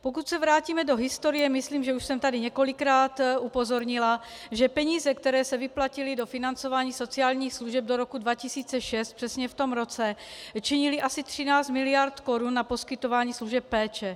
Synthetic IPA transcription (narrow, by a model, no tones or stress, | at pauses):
pokut̪sɛvɾaːciːmɛdo̞ɦɪst̪o̞ɾɪjɛmɪsliːmʒɛuʃsɛmt̪adɪɲɛko̞lɪkɾaːt̪ʔupo̞zo̞ɾɲɪla | ʒɛpɛɲiːzɛkt̪ɛɾɛːsɛvɪplacɪlɪdo̞fɪnant͡so̞vaːɲiːso̞t͡siaːlɲiːxsluʒɛb̚doɾo̞kudvacɪsiːt͡sɛʃɛst̪̚pr̥ɛsɲɛft̪o̞mɾo̞t͡sɛt͡ʃɪɲɪlɪʔasɪt̪r̥ɪnaːt͡st̪mɪlɪjaɾt̪ko̞ɾunːapo̞skɪt̪o̞vaːɲiːsluʒɛpːɛːt͡ʃɛ